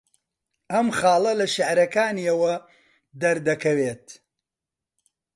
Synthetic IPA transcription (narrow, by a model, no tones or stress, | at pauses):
ʔɐmχɑːlˠɐlɐʃaʕɾɐkaːniɐwɐ | d̪ɐɾd̪ɐkɐweːt̪